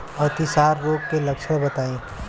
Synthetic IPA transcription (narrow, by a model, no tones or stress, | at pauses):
ɐt̪ɪsaːɾːoːɡ̚kelɐkʃəbɐt̪aːẽː